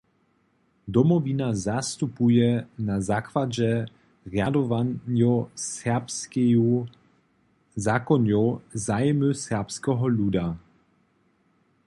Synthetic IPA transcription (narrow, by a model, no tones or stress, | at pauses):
d̪ɔmɔvinazast̪upujɛnazakvad͡ʑɛ | ʁjad̪ɔvanjɔsɛpku | zakɔnjowzajmusɛʁpskɛɦɔluda